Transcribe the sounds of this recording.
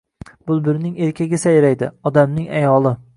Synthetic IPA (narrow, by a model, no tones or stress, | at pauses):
b̥ʊlˠbɪɾnɪŋe̞ɾkʲaɡʲɪsajɾajd̪ɪ̰ɒd̪amnɪŋajɒlˠɪ